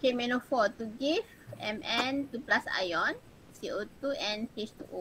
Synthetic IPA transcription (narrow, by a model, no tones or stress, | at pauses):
kemɛ̃nɔfɔt̪uɡifɛ̃mʔɛ̃nt̪uplasa̰jɔ̃n | siot̪uɛ̃npet͡ʃt̪uʔo